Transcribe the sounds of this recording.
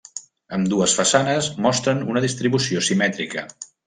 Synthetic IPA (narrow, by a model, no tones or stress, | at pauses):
əmd̪uəsfəsanəsmɔst̪ɾənunəðist̪ɾiβusiosimɛt̪ɾikə̰